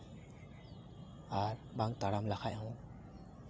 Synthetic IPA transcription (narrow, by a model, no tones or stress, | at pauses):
aɾbaŋt̪aɽamlakʰajɦɔ̃